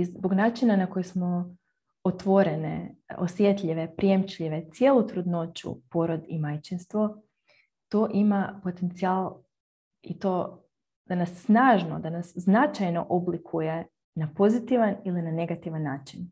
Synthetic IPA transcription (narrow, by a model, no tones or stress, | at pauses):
izboɡnaːt͡ʃinanako̞jesmo̞ | ot̪ʋo̞ɾeneo̰sjet̪ʎʲiʋe̞pɾijemt͡ʃʎiʋe̞t̪sje̞ːlˠut̪ɾud̪no̞t͡ʃṵpo̞ɾod̪imajt͡ʃinst̪ʋo̞ | t̪o̞ːʔimapo̞t̪e̞nt̪siaːlˠ | it̪oː | d̪̥anasːnaːʒno̰d̪anasznat͡ʃajno̞̰ʔoblikʰuje̞ | napo̞zit̪iʋanilinane̞ɡat̪iʋanːaːt͡ʃin